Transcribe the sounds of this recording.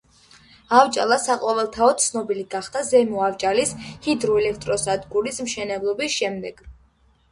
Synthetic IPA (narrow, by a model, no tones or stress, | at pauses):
avt͡ʃʼa̰lˠasaqʼɔvɛlˠt̪ʰaɔt̪sʰnɔbiliɡaχd̪azɛmuavt͡ʃʼalishid̪ɾuɛlɛk̚ʰt̪ʼɾɔsad̪ɡuɾismʃɛnɛblˠɔbisʃɛmd̪ɛɡ̥